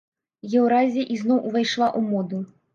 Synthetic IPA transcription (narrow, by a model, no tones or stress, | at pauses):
jɛwɾazʲiɐʔiznɔwʔvajʂlˠaʔumɔd̪u